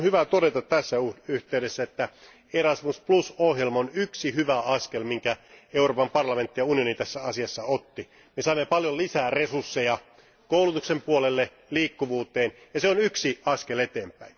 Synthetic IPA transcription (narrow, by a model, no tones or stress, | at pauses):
hyʋæt̪odet̪ɑt̪t̪æsːæuyht̪eyɾesːæet̪ːæ | erɑsmusplusohjelmɑonyksihyʋæɑskelmiŋkæeuroːpɑmpɑrlɑment̪ːijɑunijonit̪æsːæɑsiɑsːɑot̪ːi | mesɑimːepɑljolisæːresursːejɑ | koulut̪uksempuolelːe | liːkːuʋuːt̪eːnjɑseonyksiɑskelet̪eːmpæin